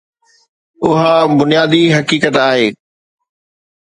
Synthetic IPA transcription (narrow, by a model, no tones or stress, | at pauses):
ʊɦabʊnijaːd̪iɦɐkiːkət̪aːɦeː